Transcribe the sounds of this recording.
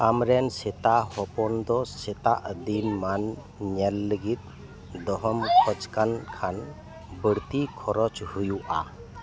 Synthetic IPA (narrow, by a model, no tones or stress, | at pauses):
amɾɛnset̪ahɔpɔnd̪ɔset̪aʔd̪inman | ɲɛlːəɡit̪̚ | d̪ɔɦɔmkʰɔt͡ʃkankʰan | bəɾt̪ikʰɔɾɔt͡ʃhujuʔa̰